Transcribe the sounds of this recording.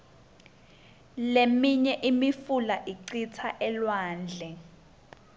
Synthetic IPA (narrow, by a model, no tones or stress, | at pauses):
lemiɲɛʔimifulaʔiǀit͡sʰaʔɛlwaːnd͡ɮʱɛ